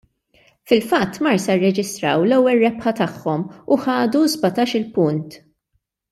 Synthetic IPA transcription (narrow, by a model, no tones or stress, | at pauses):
fɪlfɐt̪ːmɐɾsɐrːɛd͡ʒɪst̪ɾɐwlɛwːɛlɾɛpħɐt̪ɐħːɔmuħɐːd̪uzbɐt̪ɐːʃɪlpʊnt̪